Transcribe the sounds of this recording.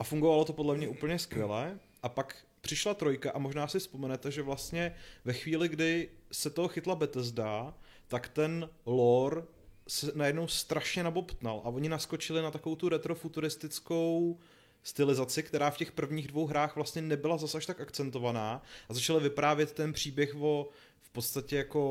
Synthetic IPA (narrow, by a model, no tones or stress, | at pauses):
ʔafuŋɡovalo̞t̪o̞po̞dlɛmɲɛʔuːpl̩ɲɛskvʲjɛlɛ | ʔapak | pr̥ɪʃlat̪ɾo̞jkaʔamo̞ʒnaːsɪfspo̞mɛnɛt̪ɛʒɛvlast̪ɲɛvɛxviːlɪɡdɪsɛt̪oɦoxɪt̪labɛt̪ɛzda | t̪akt̪ɛnloɾ | sɛnajɛdno̞wst̪ɾaʃɲɛnabo̞pt̪nalʔaʔo̞ɲɪnasko̞t͡ʃɪlɪnat̪akovowt̪uɾɛt̪ɾo̞fut̪uɾɪst̪ɪt͡sko̞w | st̪ɪlɪzat͡sɪkt̪ɛɾaːfcɛxpr̩vɲiːɣdvo̞wɦɾaːxvlast̪ɲɛnɛbɪlazasaʃt̪akakt͡sɛnt̪o̞vanaːʔazat͡ʃalɪvɪpɾaːvjɛt̪ːɛnpr̝̥iːbjɛxvo̞ | fpot̪st̪acɛjako̞